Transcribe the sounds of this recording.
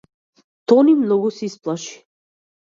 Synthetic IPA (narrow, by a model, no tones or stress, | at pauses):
t̪ɔnimnɔɡusɛisplˠaʃi̥